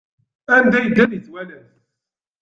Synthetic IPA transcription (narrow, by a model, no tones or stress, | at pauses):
ænd̪æjəd̪ːænjəθwælən